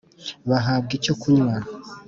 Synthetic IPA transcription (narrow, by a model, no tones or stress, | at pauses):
βaɦaːb̚ɡico̞kuɲwaɾa